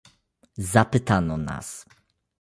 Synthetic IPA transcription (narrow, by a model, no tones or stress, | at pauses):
zapɘt̪anɔna̰s